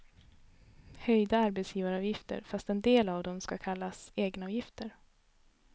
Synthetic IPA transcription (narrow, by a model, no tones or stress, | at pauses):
hœjd̪aaɾbɛt̪sjiːvaɾɑːvjɪft̪ə̰ɾfast̪ɛnd̪eːlavd̪ɔmskakʰalːaseːɡnaɑːvjɪft̪əɾ